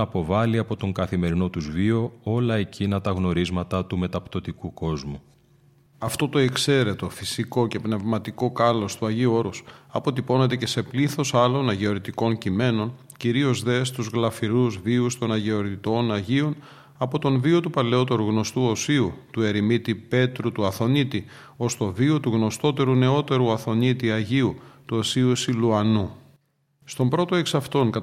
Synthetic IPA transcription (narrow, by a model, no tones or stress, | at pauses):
po̞vɐliɐpo̞t̪o̞ŋkɐθime̞ɾino̞t̪uzvio̞o̞lɐecinɐt̪ɐɣno̞ɾizmɐt̪ɐt̪ume̞t̪ɐpt̪o̞t̪ikuko̞zmu | ɐft̪o̞t̪o̞e̞kse̞ɾe̞t̪o̞fisiko̞ce̞pne̞vmɐt̪iko̞kɐlo̞st̪uɐʝiuo̞ɾosɐpo̞t̪ipo̞ne̞t̪e̞ce̞se̞pliθo̞sɐlo̞nɐʝeoɾit̪iko̞ncime̞no̞n | ciɾio̞zðe̞st̪uzɣlɐfiɾuzviust̪o̞nɐʝe̞oɾit̪o̞nɐʝio̞n | ɐpo̞t̪o̞nvio̞t̪upɐle̞o̞t̪e̞ɾuɣno̞st̪uo̞siut̪ue̞ɾimit̪ipe̞t̪ɾut̪uɐθo̞nit̪i | o̞st̪o̞vio̞t̪uɣno̞st̪o̞t̪e̞ɾune̞o̞t̪e̞ɾuɐθo̞nit̪iɐʝiut̪uosiusiluɐnu | st̪o̞mbɾo̞t̪o̞e̞ksɐft̪o̞ŋkɐ